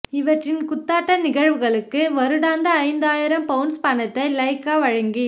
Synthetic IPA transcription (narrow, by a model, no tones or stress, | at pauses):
ɪʋɐʈrɪnkʊt̪ːaːʈːɐnɪɣɐɻʋɯɣɐɭɯkːɯʋɐɾɯɽaːnd̪ɐɐɪnd̪aːjɪɾɐmpɐɯnspɐnɐt̪ːɐɪlɐɪkːaːʋɐɻɐŋɡi